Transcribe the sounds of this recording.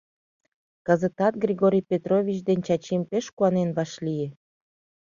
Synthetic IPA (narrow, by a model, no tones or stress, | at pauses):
kɑzə̆t̪ɑt̪̚ɡrʲiɡoɾʲijpʲet̪rovʲit͡ɕd̪enʲt͡ɕɑt͡ɕimpeʃkuɑnenβɑʃlʲije